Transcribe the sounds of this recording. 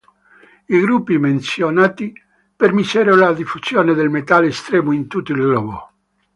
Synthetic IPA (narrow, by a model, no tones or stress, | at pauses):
iɡɾupːimensjonaːt̪i | permisɛɾolad̪ifusjoːned̪elmet̪alest̪ɾɛːmoint̪ut̪ːilɡlɔːɡo̰